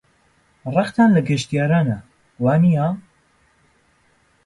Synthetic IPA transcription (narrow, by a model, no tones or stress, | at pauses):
rˤɑqt̪ʰaːnlɐɡɐʃt̪ijaːɾaːnɐ | waːnija